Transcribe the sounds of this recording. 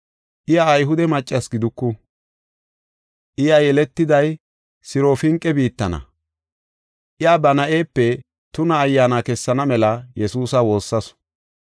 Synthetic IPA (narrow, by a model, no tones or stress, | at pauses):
ʔɪjaːjɦʊd̪ɛmɐt͡ʃʼːɐsɡɪd̪ʊkːʊ | ʔɪjajɛlɛt̪ːɪd̪ɐj | sɪɾofɪŋkʼːɛbiːt̪ːɐnɐ̰ | ʔɪjaːbɐnɐʔe̞ːpːɛ | t̪ʊnɐːjːaːnakɛsːɐnɐmɛlɐjɛsuːsɐwo̞ːsːɐs